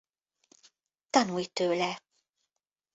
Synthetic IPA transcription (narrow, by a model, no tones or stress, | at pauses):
t̪ɒnujt̪øːlɛ